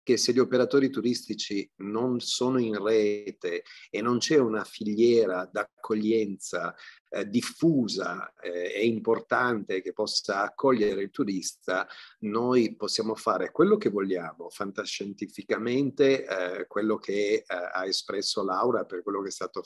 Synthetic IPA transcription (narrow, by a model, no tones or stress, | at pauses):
keseʎːiopeɾat̪oːɾit̪uɾist̪it͡ʃinonsoːnoinreːt̪eːnːont͡ʃɛunafiʎːɛːɾad̪akʰːoʎːɛnt̪sa | d̪ifuːza̰ɛɛimport̪ant̪ek̟epːɔsaːkʰːɔʎːeɾeilt̪uɾist̪anojposːjaːmofaːɾekwelːok̟evoʎːaːmofant̪aʃent̪ifikament̪ekwelːokʰea̰espɾɛsːolawɾaperkwelːokeɛst̪aːt̪o